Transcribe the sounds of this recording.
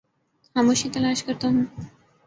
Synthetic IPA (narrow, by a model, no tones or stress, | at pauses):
hamoʃit̪ɐlaːʃkəɾt̪aɦũː